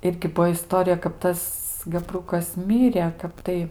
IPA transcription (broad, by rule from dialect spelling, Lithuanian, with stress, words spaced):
ˈɪrʲɡʲɪ ˈbuɔ ɪˈstoːrʲɪjɛ kɐp ˈtɐs ɡɐˈbrʊkɐs ˈmʲɪrʲeː ˈkɐp tɐɪ